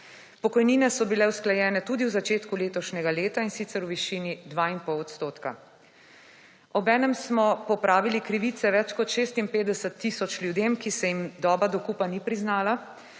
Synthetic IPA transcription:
pɔkɔjniːnɛsɔbilɛwsklajɛːnɛt̪ud̪iwzat͡ʃeːt̪kuleːt̪ɔʃnʲɛɡaleːt̪ainsit̪sɛɾuʋiʃiːnid̪ʋaːinpɔwɔt̪st̪oːt̪ka̰ | ɔbɛːnɛmsmɔpɔpɾaːʋilikɾiʋit̪sɛʋɛt͡ʃkɔt̪ʃeːst̪impeːd̪ɛsət̪ːisɔt͡ʃlʲjud̪emkisɛjimd̪ɔːbad̪ɔkuːpanipɾiznaːla

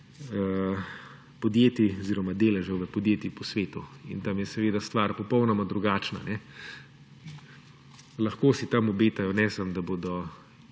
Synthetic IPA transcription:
ə | pɔd̪jeːt̪iɔziːɾɔmad̪eːlɛʒɐwʋəpɔd̪jeːt̪ipɔsʋeːt̪uḭnt̪amjɛsɛʋeːd̪ast̪ʋaːɾpɔpɔwnɔmad̪ɾuɡaːt͡ʃna̰nɛ | lɐxkoːsit̪amɔbeːt̪ajɔnɛsamd̪aboːd̪ɔ

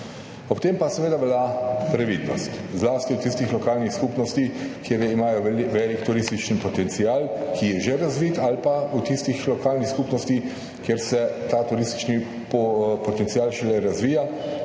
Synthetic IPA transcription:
ɔpt̪eːmpasɛʋeːd̪aʋɛlapɾɛʋḭːd̪nɔst̪zlaːst̪iut̪ist̪ixlɔkaːlnixskupnɔst̪ikjeːɾjɛimaːjɔʋɛlikt̪uɾist̪it͡ʃn̩pɔt̪ɛnt̪siaːlkʰijɛʒeɾazʋiːt̪alpaut̪ist̪ixlɔkaːlnixskuːpnɔst̪i | kjeɾsɛt̪aːt̪uɾist̪i̥t͡ʃni | ppɔt̪ɛnt̪sijaːlʃɛlɛɾazʋiːja

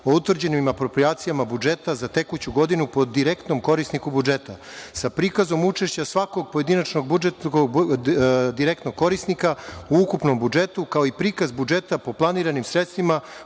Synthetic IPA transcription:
o̞ut̪ʋr̩d͡ʑenimapɾo̞pɾiaːt̪sijamabud͡ʒe̞t̪azat̪e̞kut͡ɕuɡo̞d̪inupo̞d̪iɾekt̪no̞mko̞ɾisnikubud͡ʒe̞t̪a | sapɾiːkazo̞mut͡ʃe̞ʃt͡ɕasʋako̞ɡ̚po̞je̞d̪inat͡ʃno̞ɡ̚bud͡ʒet̪ | d̪iɾek̚t̪noɡ̚kːo̞ɾisnikauukupno̞mbud͡ʒe̞t̪ukao̞ipɾiːkazbud͡ʒe̞t̪apo̞plˠaniːɾanimsɾet̪st̪ʋima

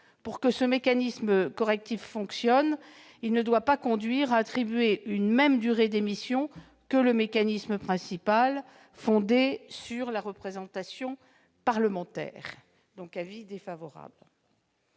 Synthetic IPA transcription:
puʁkəsəmekanismkɔʁɛk̚t̪ifːɔ̃ksjɔn | ilnəd̪wapakɔ̃d̪ɥiʁaːt̪χibɥeynmɛmd̪yʁed̪emisjɔ̃ | kələmekanisməpχɛ̃sipal | fɔ̃d̪esyʁlaʁəpχezɑ̃t̪asjɔ̃ | paʁləmɑ̃t̪ɛ̰ːʁ | d̪ɔ̃kavid̪efavɔʁa̰bl

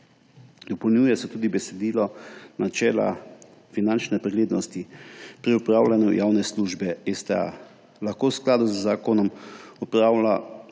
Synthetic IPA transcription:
d̪̥ɔpɔwnjuːjɛsɛt̪uːd̪ibɛsɛd̪iːlɔnat͡ʃɛːla̰ | finant͡ʃnɛpɾɛɡleːd̪nɔst̪ipɾiupɾaːwlʲanjujawnɛsluːʒbɛest̪ɛa̰ | laxkowsklaːd̪uzːaːkɔnɔmɔpɾala

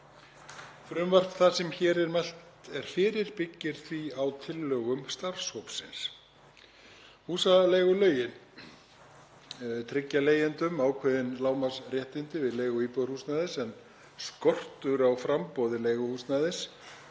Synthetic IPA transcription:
fɾʏmvar̥p̪θasɛmçɛːɾɛɾmajl̥t̪ɛɾ̥fɪːɾɪɾpɪcːɪɾ̥θviawt̪ʰɪlːœːɣʏmst̪aɾ̥showpsɪns | huːsalɛɣʏlœːɥjɪn | t̪ʰɾɪcːaleːjɛnt̪ʏmaːwkʰvɛðɪnlaːwmasrjɛht̪ɪnt̪ɪvɪðleːjɣʏiːpɔɾ̥husnaːðɪsɛn | skɔr̥t̪ʏɾawfɾampɔwðɪlejɣʏhust̪naːðɪs

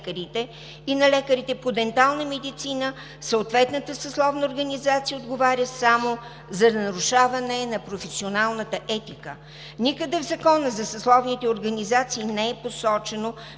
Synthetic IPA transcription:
kəɾit̪ɛ | inɐlɛkəɾit̪ɛpod̪ɛnt̪alˠnəmɛd̪it̪sinə | səot̪vɛt̪nət̪əsɐslˠɔvnəoɾɡɐnizat̪sijəod̪ɡovaɾʲəsamo | zɐd̪nɐɾuʃavɐnɛnɐpɾofɛsionalˠnət̪əʔɛt̪ikə | nikəd̪ɛvzɐkɔnəzɐsɐslˠɔvnit̪ɛoɾɡɐnizat̪siːnɛɛposɔt͡ʃɛno

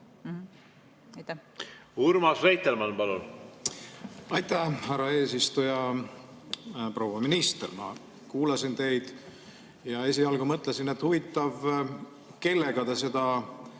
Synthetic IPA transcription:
ɑjt̪ːæuɾmɑsrejt̪ːelmɑnpɑlṵn | ɑjt̪æhærːɑe̞ːs̬ist̪ujɑ | pro̞ːwɑminist̪ermɑ̰ | kuːlɑsint̪e̞jd̪̥ | jɑe̞siɑlɡumɤt̪ːˑlesine̞t̪huvit̪ːˑɑv | ke̞lːe̞ɡ̥ɑd̪es̬e̞d̪̥ɑ

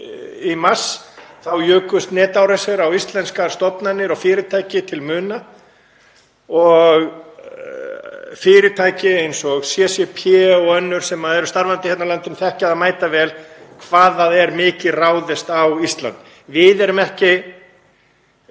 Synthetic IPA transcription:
imasθawjœːkʏst̪nɛːt̪awɾasɛɾawist̪lɛnskaɾ̥st̪ɔpnanːɪɾɔɣfɪːɾɪt̪ʰajcɪt̪ʰɪlmʏːna | ɔɣ | fɪːɾɪt̪ʰajcɪejnsɔɣsjɛsjɛpʰjɛɔœnːʏɾ̥sɛmaðɛɾʏst̪aɾvant̪ɪ̥hɛt̪nalant̪ɪnθɛhcɪaðamaːjt̪avɛːlkʰvaːðaðɛɾmɪːcɪraːwðɪst̪awist̪la̰nt̪ | vɪðɛɾʏmɛhcɪ

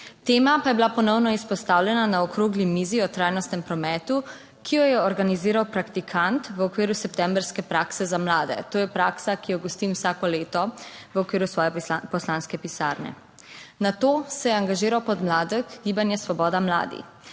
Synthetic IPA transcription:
t̪eːmapajɛbilapɔnɔwnɔispɔst̪aːwlʲɛnanaɔkɾoːɡlimiːziɔt̪ɾajnɔst̪nɛmpɾɔmɛːt̪u | kʰijɔjɛɔɾɡaniziːɾawpɾakt̪ikʰant̪ʋəɔkʋiːɾusɛpt̪ɛmbɾskɛpɾaːksɛzamlaːd̪ɛ̰t̪oːjɛpɾaːksakijɔɡɔst̪imwsaːkɔleːt̪ɔʋəɔkʋiːɾusʋɔːjɛpɔslanskɛpisaɾnɛ̰ | nat̪oːsɛjɛaŋɡaʒiːɾawpɔd̪mlaːd̪əɣɡibanjɛsʋɔbɔːd̪amla̰ːd̪ḭx

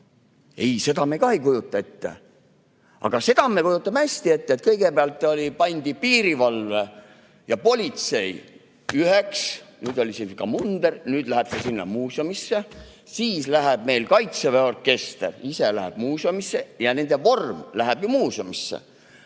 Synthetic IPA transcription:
e̞jse̞d̪ɑmekɑejkujut̪ːˑɑe̞t̪ːḛ | ʔɑ̰ɡ̥ɑse̞d̪̥ɑmekujut̪ːˑɑmhæsʲt̪ie̞t̪ːeet̪̚kɤjɡ̥e̞peɑlt̪ˑːo̞lʲipɑnʲd̪̥ipiːɾivɑlve | jɑpo̞lʲit̪se̞j | yheksnyːd̪o̞lʲisiskɑmund̪ernyːd̪̥læɦeb̥sesinːɑ̰muːsomisːe | siːslæɦeb̥̚me̞jlkɑjt̪seveo̞rkːe̞st̪ḛriselæɦḛb̥muːsomisːejɑne̞nd̪e̞vo̞rmlæɦeb̥jumuːsomisːḛ

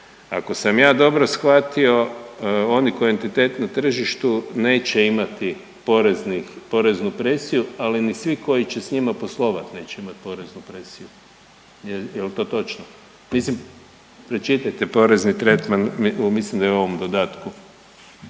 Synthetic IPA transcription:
a̰ko̞samjaːd̪o̞bɾo̞sxʋat̪io̞oniko̞ie̞nt̪it̪e̞ːt̪nat̪r̩ʒiʃt̪une̞ːt͡ɕe̞imat̪i | poɾeznipo̞ɾe̞znupɾe̞sijualinisʋiko̞jit͡ɕe̞sɲimapo̞slˠo̞ʋat̪ne̞ːt͡ɕeimat̪̚po̞ɾe̞znupɾe̞siju | jejelt̪o̞ːt̪o̞t͡ʃno | mislim | pɾet͡ʃit̪ajt̪epo̞ɾeznit̪ɾe̞t̪manmislimd̪ajeuo̞ʋo̞md̪od̪aːt̪ku

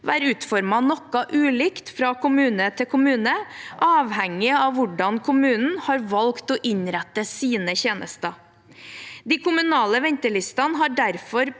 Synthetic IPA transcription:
ʋæːɾʉːt̪fɔɾmɑnɔkːɑʔʉːliːkt̪fɾɑkʰʊmʉːnət̪ʰɪkʰʊmʉːnəʔɑːʋhɛŋːɪɑʋʋʊɖɑnkʰʊmʉːnn̩hɑːɾʋɑlkt̪ɔːʔɪɲɾæt̪ːəsiːnəçeːnʔə̰st̪ɑ | d̪iːkʊmʉnɑːləʋɛɲt̪əɭɪst̪ɑnɦɑɖæɾfɔɾ

